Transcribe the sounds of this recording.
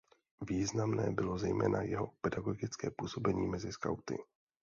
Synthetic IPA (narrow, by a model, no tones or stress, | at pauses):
viːznamnɛːbɪlo̞zɛjmɛ̰ːnʔajɛɦo̞pɛdaɡo̞ɡɪt͡skɛːpuːso̞bɛɲiːmɛzɪska̰wt̪ɪ̰